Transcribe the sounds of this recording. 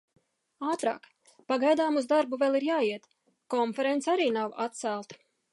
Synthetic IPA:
aːt̪ɾa̰ːk | paɡajd̪aːmuzd̪aɾbuvʲɛlˠiɾjaːiɛt̪ | kɔnfeɾent̪saɾiːnawa̰t̪̚t̪sælˠt̪

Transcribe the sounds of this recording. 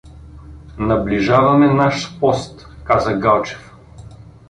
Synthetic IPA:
nɐbliʒavɐmɛnaʃpɔst̪ | kazɐɡalˠt͡ʃɛ̥f

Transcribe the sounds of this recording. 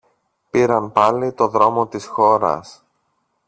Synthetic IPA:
piɾɐnpɐlit̪o̞ðɾo̞mo̞t̪isxo̞ɾɐ̰s

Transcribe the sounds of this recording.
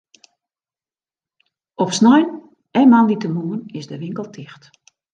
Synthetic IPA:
ɔpsnɔjn | ɛnmanditəmuənɪsdəʋɪŋkəlˠtʰɪxt

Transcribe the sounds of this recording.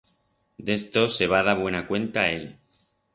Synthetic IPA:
d̪e̞st̪o̞se̞β̞aðaβwe̞nakwe̞nt̪ae̞l

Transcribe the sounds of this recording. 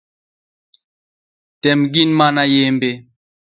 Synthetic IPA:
tɛmɡinmanajembe

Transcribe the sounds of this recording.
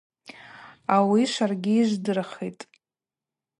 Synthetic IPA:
awiʃʷarɡʲɪːʒʷdɨrχijtʼ

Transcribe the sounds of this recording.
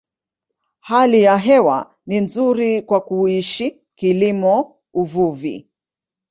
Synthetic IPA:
halijaɦɛwa̰ | ninzuɾikwakuiʃi | kilimɔ | uvuvḭ

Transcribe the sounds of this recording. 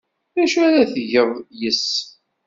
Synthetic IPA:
ðæʃuæɾaθəʝəðˤjəs

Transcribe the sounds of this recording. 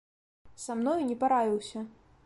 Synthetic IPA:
samnɔjnʲɛpaɾavʲiwsʲɐ

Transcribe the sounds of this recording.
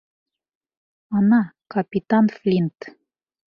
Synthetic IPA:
ɑnɑkɑpʲit̪ɑnflʲint̪

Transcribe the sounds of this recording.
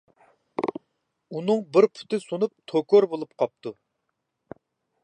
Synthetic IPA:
unɨŋbɪɾpʰʊ̥t̪ɪsonup̚t̪ʰokoɾbolˠup̚qʰɑp̚t̪ʰu

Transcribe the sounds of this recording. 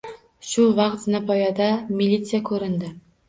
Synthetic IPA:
ʃʊvaqt̪znapʰɒjɑd̪amʲilʲːit̪sɨjakʰɵɾɪnd̪ɪ

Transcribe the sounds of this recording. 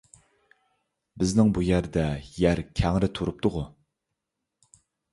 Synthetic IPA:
bɪznɪŋbujæɾd̪ɛjæɾkʲʰɛŋɾɪt̪ʰuɾup̚t̪ʊʁʊ

